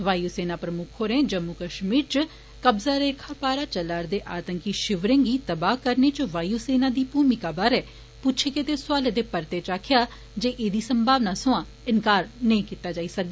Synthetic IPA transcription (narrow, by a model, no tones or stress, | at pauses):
ʋaːjuːseːnaːpɾəmʊkʰɦoːɾẽːd͡ʒəmːukəʃmiːɾt͡ʃə | kəbzaːɾeːkʰaːpaːɾaːt͡ʃəlaːɾd̪eːʔaːt̪əŋkiʃɪʋɾẽŋɡiːt̪əbaːkəɾneːt͡ʃəʋaːjuːseːnãːd̪iːpuːmikaːbaːɾɛː | pʊt͡ʃʰeːket̪eːsʊaːled̪eːpəɾt̪eːt͡ʃaːkʰjaː | d͡ʒeːʔeːd̪iːsəmbʱaːʋnaːsʊãː | ɪnkaːɾnəĩːkiːt̪aːd͡ʒaːiːsək̚d̪aː